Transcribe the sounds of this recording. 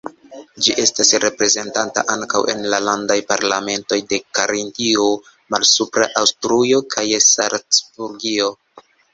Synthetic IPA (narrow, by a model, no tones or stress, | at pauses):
d͡ʒiʔe̞stasɾe̞pɾe̞ze̞ntanta̰ʔaŋkawʔe̞̰nlalandajpaɾlame̞nto̞jde̞kaɾintio | malsupɾaʔawstɾujo̞kʰajesa̰ɾt͡sbuɾɡio̞